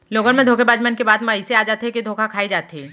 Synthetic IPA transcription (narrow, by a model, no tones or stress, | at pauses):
loːɡənmẽd̪ʱoːkʰebaːd͡ʒmankebaːd̪mãɪseaːd͡ʒaːt̪eɦɛkid̪ʱoːkʰakʰaːid͡ʒaːt̪ɦeː